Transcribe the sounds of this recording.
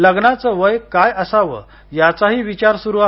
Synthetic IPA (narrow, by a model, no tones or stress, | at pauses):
ləɡnat͡səʋəjkajəsaʋə̰ː | jat͡saɦiːʋit͡ɕaɾsuɾua